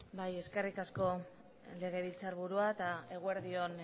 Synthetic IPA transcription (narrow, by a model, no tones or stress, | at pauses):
baje̞ske̞rikasko̞ | le̞ɣ̞e̞β̞ilt͡saɾβuɾuaet̪ae̞ɣ̞ue̞ɾðio̞n